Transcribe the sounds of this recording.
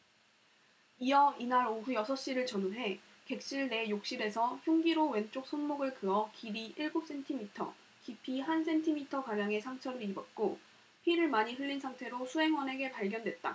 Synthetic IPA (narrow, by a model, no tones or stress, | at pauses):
iʌinaɾoɦujʌsʰʌɕ͈iɾɯɭt͡ɕʌnonɦe̞ | ke̞k̚ɕ͈iɭne̞jok̚ɕ͈iɾe̞sʰʌçjoŋɡiɾowe̞nt͡ɕ͈ok̚s͈ʰonmoɡɯɭkɯʌkiɾiʔiɭɡup̚s͈ʰe̞ntʰimitʰʌ̰ | kipʰiɦansʰe̞ntʰimitʰʌkamjaŋe̞sʰaŋt͡ɕʰʌɾɯɾibʌt̚k͈o | pʰiɾɯɭmaɲiɦɯʎːinsʰaŋtʰe̞ɾosʰuɦe̞ŋwʌne̞ɡe̞paɭɡjʌndwe̞t̚t͈a̰